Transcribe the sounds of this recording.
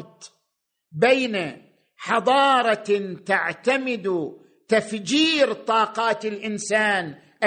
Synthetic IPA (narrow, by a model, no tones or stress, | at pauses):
t̪ | beːna | ħɑd̪ˤɑːɾˤɑt̪aʕt̪amɪd̪u | t̪afd͡ʒiːɾt̪ˤɑːqɑːt̪ɪlʔɪnsaːn | ʔa